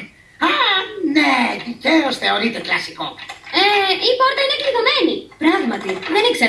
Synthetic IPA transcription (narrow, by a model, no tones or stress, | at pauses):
aneðiceosθeo̞ɾit̪eklɐsikopeipo̞ɾt̪ɐinekliðomenipɾɐɣmɐt̪iðenikse